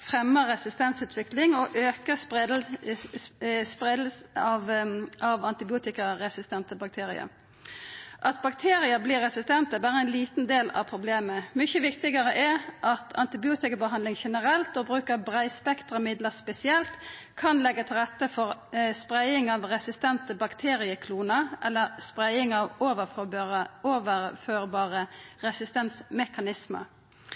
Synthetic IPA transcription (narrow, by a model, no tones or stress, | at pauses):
fʁɛmːəʁɛsɪst̪ɛnsʉːt̪ʰʋɪklɪŋɔʔøːkə | spʁɛd̪l̩sɑʋʔɑʋɑnt̪ɪbɪuːt̪ɪkəʁɛsɪst̪ɛnt̪əbɑk̚t̪ʰeːɾɪ̰ə̰ | ʔɑt̪̚bɑkt̪ʰeːʁɪəbliːɾːɛsɪst̪ɛnt̪əbæːʁəɛnliːt̪n̩d̪eːlɑ̰ʋpʰʁʊbleːməmʏçəʋɪkt̪ɪɡəʁəʔɛʔɑt̪ʰɑ̰nt̪ɪbɪuːt̪ɪkəbəɦɑnd̪ɪŋʃɛnəɾɛlt̪obɾʉːkəɾbʁæɪspɛkt̪ʁəmɪd̪ləspɛsɪɛlt̪ | kʰɑnlɛɡːət̪ʰɪlʁɛt̪ːəfɔɾspɾæɪɪŋɑʋɾɛsɪst̪ɛnt̪əbɑkt̪ʰeːɾɪəkʰluːnəʔɛlːəɾspɾæɪɪŋɑʋoʋə | oːʋəɾføːɾbɑːʁəɾɛsɪst̪ɛnsmɛkɑnɪsmə̰ɾ